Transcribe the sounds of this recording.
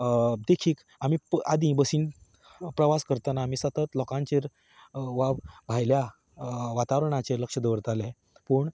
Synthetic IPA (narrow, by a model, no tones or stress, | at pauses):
d̪ekʰiːk | am̤iːpad̪ĩbəsiːn | pɾəʋaskəɾt̪anaːm̤iːsət̪ət̪lɔkãɲt͡ɕeɾ | ʋabbʱajlja | ʋat̪aʋɾɳat͡ɕeɾləkʂəd̪əʋəɾt̪alẽ | pəːɳ